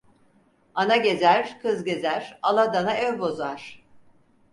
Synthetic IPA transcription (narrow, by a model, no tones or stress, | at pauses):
anaɟe̞zæɾ̥kʰɯzɟe̞zæɾ̥alˠad̪anaɛvbo̞zaɾ̥